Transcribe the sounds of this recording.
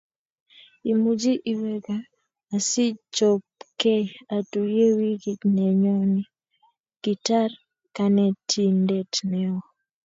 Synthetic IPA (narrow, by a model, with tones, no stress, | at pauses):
i˨mu˨d͡ʒi˦ʔi˨wɛ˦ɡaː˨ | sɪ˦t͡ʃɔ˨p̚kɛ˦a˨tu˨je˦wi˦ɡi˨nɛ˨ɲɔ˦ni˦ | ɡ̥i˨ta˦r | ka˨nɛ˦tʰi˦ndɛ˨tnɛ˦ɔ˨